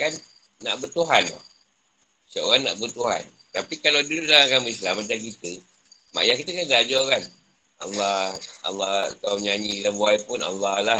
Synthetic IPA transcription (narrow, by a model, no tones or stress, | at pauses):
kanː | a̰ʔbərt̪uɦanla̰ | səo̰ɾanːa̰ʔbət̪uɦa̰n | t̪apikalawdudulaakaməislamat͡ʃaŋk̬it̪ə | ma̰jaŋkit̪əkanɡad͡ʒɔkan | a̰lːɑɑ̰lːɑt̪aɲaɲikanbuajpʊna̰lːɑlah